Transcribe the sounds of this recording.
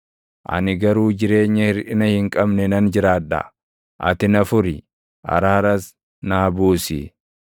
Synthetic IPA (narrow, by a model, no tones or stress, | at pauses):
ʔɐ̰nɪɡɐɾuːd͡ʒɪɾe̞ːɲːɐhɪɾʔɪnɐhɪŋkʼɐbnɛnɐnd͡ʒɪɾaːᶑɐ̰ | ʔɐ̰t̪ɪnɐfʊɾɪ | ʔɐ̰ɾaːɾɐs | naːbuːsḭ